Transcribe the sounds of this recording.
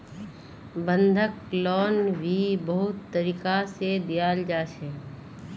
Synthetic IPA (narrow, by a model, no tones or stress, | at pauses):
bə̃nd̪ʱəklɔːnbʱibəɦʊt̪ːəɾiːkased̪ɪjaːld͡ʒaːʃɛː